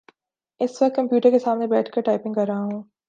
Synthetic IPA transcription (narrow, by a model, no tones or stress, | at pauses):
ɪsʋɐk̚t̪̚kɐ̃mpjuːʈəɾkesaːmnebɛːʈʰkɐɾʈaːɪpɪ̃ŋɡkɐɾːaɦaɦũː